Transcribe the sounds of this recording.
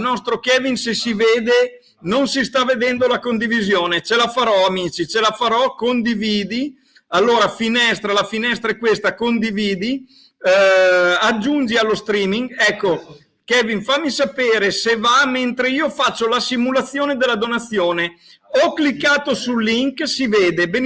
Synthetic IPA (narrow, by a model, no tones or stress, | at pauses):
nɔst̪ɾokɛːvinsesiveːd̪e | nonsist̪aved̪ɛnd̪olakond̪ivizjoːnet͡ʃelafaɾɔamit͡ʃit͡ʃelafaɾɔkond̪iviːd̪i | alːoːɾafinɛst̪ɾalafinɛst̪ɾaɛkːwest̪akond̪iviːd̪i | ad͡ʒːund͡ʒialːost̪ɾiːmiŋɛkːo | kɛːvinfamːisapeːɾesevament̪ɾeiːofat͡ʃːolasimulat̪sːjoːned̪elːad̪onat̪sːjoːne | ɔkːlikːaːt̪osulːiŋksiveːd̪ebe